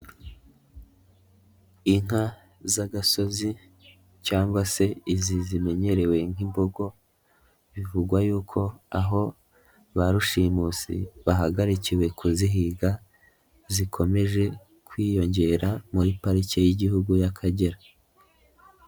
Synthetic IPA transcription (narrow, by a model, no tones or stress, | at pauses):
iŋ̥a | zaɡaso̞zi | caːŋɡwase̞izizime̞ɲe̞ɾe̞we̞ŋ̥imboɡo̞ | βivuɡwajuːkʰo̞aɦo̞ | βaɾuʃiːmusḭβaɦaɡaɾiciwe̞kuziɦiːɡa | zikʰo̞me̞ʒe̞ | kwiːjo̞ɲɟe̞ːɾamuɾipaɾicejiɟihuɡujakʰaɟe̞ɾa